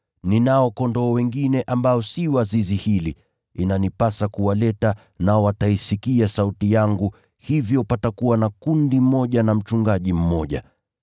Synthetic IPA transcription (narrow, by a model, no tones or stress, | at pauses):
ninaɔkɔndɔːwɛŋɡinɛʔambaɔsiwazizihili | inanipasakuwalɛta | naɔwataisikiasautijaŋɡu | hivjɔpatakuwanakundim̩mɔʄanam̩t͡ʃuŋɡaʄim̩mɔʄa̰